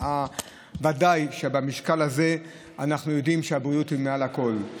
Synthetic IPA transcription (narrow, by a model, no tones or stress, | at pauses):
a | vadajʃe̞bamiʃkalaze̞ | anaχnujo̞dimʃeabʁijuthimealako̞l